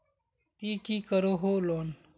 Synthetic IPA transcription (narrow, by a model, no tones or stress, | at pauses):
t̪iːkiːkəɾoɦolon